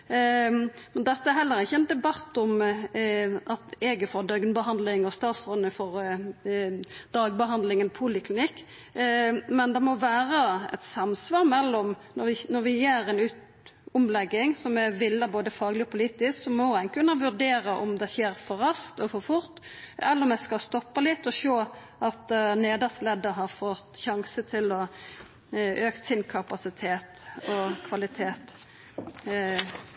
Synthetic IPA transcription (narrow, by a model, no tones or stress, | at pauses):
mɛnd̪ɛt̪ːəæɾɦɛlːəɾɪçːəɛnd̪ɛbɑt̪ːɔm | ʔɑt̪ɛːɡəfɔɾd̪œɡnbəhɑnd̪lɪŋɔst̪ɑːt̪sɾɔnːəfɔɾ | d̪̥ɑːɡbəɦɑnd̪lɪŋənpʰuːlɪkʰlɪnɪkː | mɛnd̪ɛmɔʋæːɾəɛ̰t̪sɑmsʋɑːɾmɛlːɔmnɔɾʋɪnɔɾʋɪjeːɾɛnʉːt̪ | ɔmlɛɡːɪŋsɔmæʋɪlːəboːd̪əfɑːɡlɪɔpʊliːt̪ɪsksɔmɔæɪnkʰʉnːɑʋʉɾd̪eːɾɑʔɔ̰md̪ɛçeːɾfɔɾɑskt̪ɔfɔɾfʊɾt̪ːɛlːəɾɔmjæskɑst̪ɔpːɑlɪt̪ːɔʃoː | ʔɑt̪neːd̪ɑslɛd̪əɦɑɾfɔt̪çɑŋsət̪ʰɪlɔ | ʔøːkt̪sɪnkʰɑpɑsɪt̪ʰeːt̪ɔkʰʋɑlɪt̪ʰeːt̪